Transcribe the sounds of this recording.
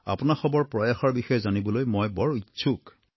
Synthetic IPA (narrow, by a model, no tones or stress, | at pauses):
a̰pʊnaxɔbɔɹpɹɔjaxɔɹbixɔjɛzanibɔlojmɔjbɔɹitːsʰuk